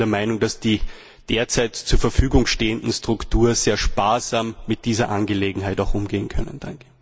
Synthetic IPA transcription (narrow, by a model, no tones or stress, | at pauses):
dɛɐmaɪnʊŋd̥asd̥iː | d̥eːɐt͡saɪtt͡suːɐfɛɐfyːɡʊŋʃteːəndn̩stʁ̥ʊktʰuːɐz̥eːɐʃpaːɐzaːmːɪt̚d̥iːzɐʔanɡəleːɡŋ̩ɦaɪtaʊxʔʊmɡeːənkʰœnə̰nd̥aŋkə̥